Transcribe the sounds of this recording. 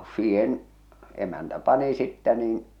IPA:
siːhen emæntæ pɑni sitːæ niːn

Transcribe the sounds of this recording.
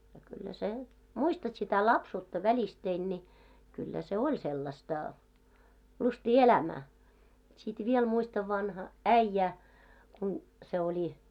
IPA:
jɑ kylːæ sen muistɑt sitæ lɑpsuːtːɑ ʋælistein nʲi kylːæ se olʲ selːɑstɑ lustiː elæmæː sit ʋiel muistɑʋ ʋɑnhɑ æĭjːæ kun se olʲi

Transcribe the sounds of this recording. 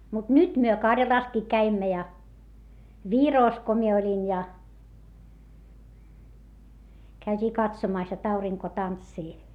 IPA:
mut nyt myø kɑrjɑlɑˑskiː kæimːæ jɑ ʋiroˑs ko mie olʲin jɑ kæytʲiː kɑtsomɑˑs jot ɑuriŋko tɑntsiː

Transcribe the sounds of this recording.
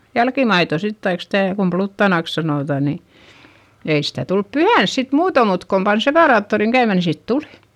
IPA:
jælkimɑito sit tɑik stæˑ kum plutːɑnɑˑks sɑnoˑtɑˑ ni ei sitæ tulp pyhæns sit muːto mut kom pɑn sepɑˑrɑːtːoriŋ kæymæ ni sit tuli̥

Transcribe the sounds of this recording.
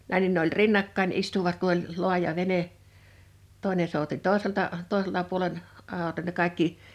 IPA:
næ̃i nin ne olʲ rinːɑkːɑin istuʋɑt ku ol lo̝ɑjɑ ʋene toˑi̞ne souti toˑeseltɑʔ toˑeseltɑʔ puolen ɑˑo ne kɑikːi

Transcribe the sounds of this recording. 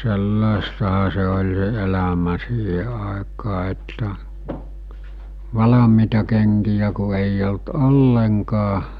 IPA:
selːɑˑestɑhɑ se olʲ se elæmæ siːhe ɑˑekɑː etːæ ʋɑlɑmiːtɑ keŋkijæ ku eij olt olːeŋkɑː

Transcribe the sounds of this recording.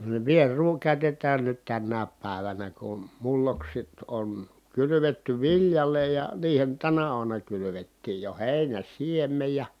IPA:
niʋ ʋierˑuː kæˑy̞tetˑæːn nyt tænːæːp pæˑeʋænæ kun mulːoksit on kylyʋetːy ʋiljɑle jɑ niːhen tænæ uɑmunɑ kylyʋetːiːj jo heˑi̯næn̞ siemːej jɑ

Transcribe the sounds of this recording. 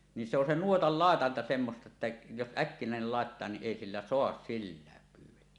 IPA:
ni se on nuotɑl lɑˑetɑntɑ semːostɑ etːæ jos ʔækːinæˑenel lɑˑetːɑː ni ʔeˑi silːæ soɑs silːæːk kylːæ

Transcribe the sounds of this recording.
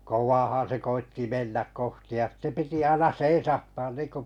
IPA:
kowʋɑːhɑ̃ː se koitːi menːæk kohti jɑ sĭtːe piti ɑinɑ seisɑhtɑːn niːnko

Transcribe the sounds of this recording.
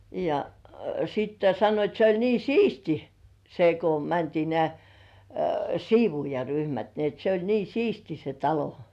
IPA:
jɑ sitːe sɑnːoit se olʲ niː siːsti se ko mæntiː nĕæˑ siːʋuːjɑryhmæt ni et se olʲ siːsti se tɑlo

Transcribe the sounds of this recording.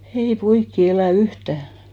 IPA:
ei poikːi elæˑ yhtæˑ

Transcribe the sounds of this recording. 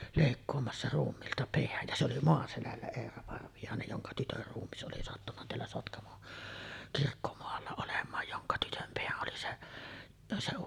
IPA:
leˑikːoːmɑsːɑ ruːmːiːltɑ peæj jɑ se oli moɑselælːæ eːrɑ pɑrʋijɑˑenej joŋkɑ tytør ruːmːis ʔoli sɑtːunːɑ teælːæ sotkɑmon kirkːomoɑlːɑ olemˑɑːj joŋkɑ tytøm peæʔ ʔoli se se

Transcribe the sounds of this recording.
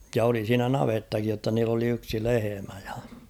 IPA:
jɑ oli siːnæ nɑʋetːɑkij jotːɑ niːlː oli yksi lehemæ j̊ɑ̥

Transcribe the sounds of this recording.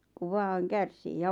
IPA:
ku ʋɑːŋ kærsiː jɑ

